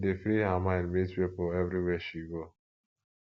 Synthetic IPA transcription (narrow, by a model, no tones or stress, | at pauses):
defɾiɦamãɪ̃ndmitwepʊɛvɾiwɛʃiɡo